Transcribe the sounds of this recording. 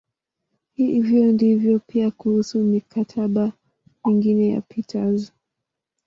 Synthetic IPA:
hiivjɔndivjɔpiakuhusumikʰatʰaɓa | miŋɡinɛja̰pitʰazɔ

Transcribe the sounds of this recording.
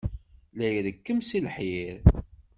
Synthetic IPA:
læjɾəkːəmsilħjiɾ

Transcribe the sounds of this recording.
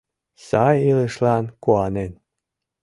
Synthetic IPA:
sɑjiləʃlɑnkuɑnen

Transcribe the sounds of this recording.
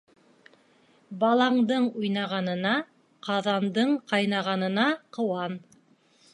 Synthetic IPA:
bɑlˠɑɴd̪ɤɴujnɑʁɑnɤ̆nɑ | qɑðɑnd̪ɤɴqɑjnɑʁɑnɤ̆nɑqɤ̆wɑn

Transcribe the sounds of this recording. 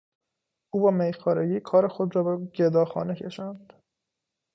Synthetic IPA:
uːbɒːmejxɒːɾeɡiːkʰɒːɾexod̪ɾɒːbeɟed̪ɒːxɒ̰ːnecʰe̞ʃænd̪̥

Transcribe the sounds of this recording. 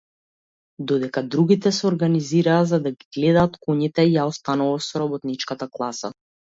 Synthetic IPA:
d̪ɔd̪ɛkad̪ɾuɡit̪ɛsɛɔɾɡaniziɾaːzad̪aɡiɡlɛd̪aːt̪kɔɲit̪ɛjaɔst̪anuvasɔɾabɔt̪nit͡ʃkat̪aklˠasa̰

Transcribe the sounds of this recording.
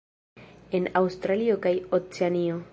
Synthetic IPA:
e̞nawst̪ɾaliokajot͡seanio

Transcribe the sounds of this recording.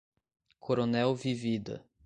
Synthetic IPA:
kʰoɾonɛwvivid̪ɐ̰

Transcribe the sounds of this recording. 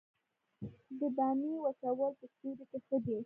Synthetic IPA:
d̪əb̪ɑmiwasawəlp̪əst̪uɾek̪exəd̪e

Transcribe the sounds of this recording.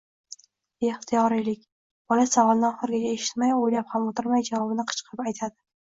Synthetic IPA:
eht̪ʰijɒɾɪjlɪkʲ | b̥ɒlasavɒlˠnɪɒχɨɾɡʲat͡ʃaeʃɪ̥t̪majojlaphamot̪ʰɪɾmajd͡ʒavɒbɪnɪqʰɨ̥t͡ʃqʰɨpajt̪ʰad̪ɪ

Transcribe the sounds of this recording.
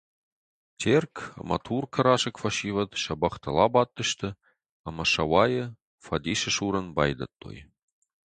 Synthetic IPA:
t͡ɕʲʰerkɑ̰mɑ̰t̪ʰurkʰə̆ɾɑʃɤ̆kfɑʃivət̪ʃɑbɑχt̪ɤ̆lˠɑbɑt̪ːə̆ʃt̪ə̆ | ɑmɑʃɑwɑjɤ̆ | fɑd̪ʲiʃɘ̆ʃuɾə̆nbɑjd̪ə̰t̪ːo̰j

